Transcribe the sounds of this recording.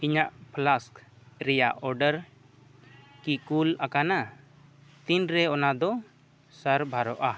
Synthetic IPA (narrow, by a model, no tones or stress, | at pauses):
iɲaʔpʰlaskɾɛjaʔɔɾɖəɾ | kikulakana | t̪inɾɛɔnad̪ɔ | səɾbʱaɾɔʔa